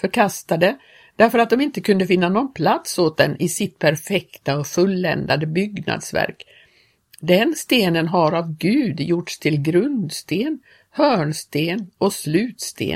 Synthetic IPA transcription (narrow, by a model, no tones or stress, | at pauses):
fœɾkʰast̪ad̪ə | d̪̥æɾfœɾat̪d̪ɔmɪnt̪əkʰɵnd̪əfɪnːanɔnpʰlat̪soːt̪̚d̪ɛnʔɪsɪt̪̚pʰæɾfɛkt̪aɔfɵlːɛ̰nd̪ad̪əbʏɡna̰d̪svæ̰ɾk | d̪ɛnst̪eːnənɦaɾavɡʉ̟ːd̪jʊʈʂt̪ʰɪlɡɾɵnd̪st̪eːn | hœːɳst̪eːnɔslʉ̟ːt̪st̪ḛː